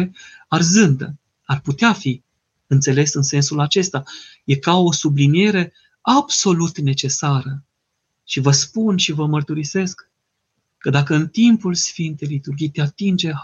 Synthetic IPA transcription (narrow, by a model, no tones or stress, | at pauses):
arzɨnd̪ə̰ | arput̪eafi | ɨnt̪se̞le̞sɨnse̞nsulat͡ʃe̞st̪aje̞kao̞sublinije̞ɾe̞ | abso̞lut̪ne̞t͡ʃe̞saɾə | ʃivəspunʃivəmərt̪uɾise̞skː | əd̪akəɨnt̪impulsfint̪e̞jlit̪urɡʲijt̪eat̪ind͡ʒe̞